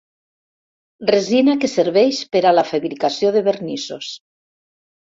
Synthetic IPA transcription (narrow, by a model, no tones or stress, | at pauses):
rezinakeseɾβɛʃpeɾalafaβɾikasjoðeβeɾnisos